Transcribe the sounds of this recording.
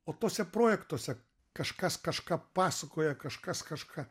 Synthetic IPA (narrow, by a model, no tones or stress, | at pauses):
oːt̪oːsʲɛpɾoːjɛkt̪uɔsʲɛ | kɐʃkɐskɐʃkɑːpɑːsɐkoːjɛkɐʃkɐskɐʃkʰɑː